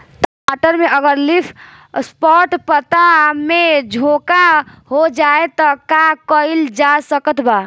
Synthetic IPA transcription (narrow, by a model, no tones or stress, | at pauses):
t̪ | aʈəɾmeəɡəɾlipʰ | spɔʈpət̪amed͡ʒʱokahod͡ʒaet̪ɔkakəild͡ʒasəkət̪ʰba